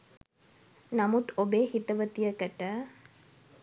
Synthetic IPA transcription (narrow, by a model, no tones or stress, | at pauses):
namut̪obeːhit̪əʋət̪ijəkəʈə